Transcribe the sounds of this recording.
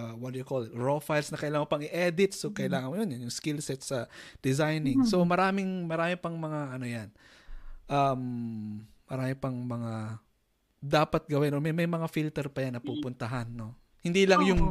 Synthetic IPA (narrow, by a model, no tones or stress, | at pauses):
wɐt̪jʊkolɪt̪ɹofajlsnɐkɐʔɪlaːŋopɐŋɪʔɛd̪ɪt̪sokɐʔɪlaːŋɐnmojonjʊnjʊŋskilsɛt̪sɐd̪̥ɪzajnɪŋso̞mɐɾaːmɪŋmɐɾaːmɪpɐŋmɐŋaʔɐno̞jan | ʔɐm | mɐɾaːmɪpɐŋmɐŋa | d̪aːpɐt̪̚ɡɐwɛnʔomɐjmɐjmɐŋafilt̪ɛɾpɐjanːɐpupʊnt̪ɐɦanːo̞ | hɪnd̪ilɐŋjʊŋ